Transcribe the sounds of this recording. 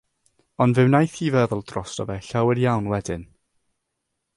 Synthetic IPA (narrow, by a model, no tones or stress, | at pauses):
ɔndvɨwnajθiːvɛðɔlˠd̥rɔsəvɛɬawɛrjawnwɛdɪn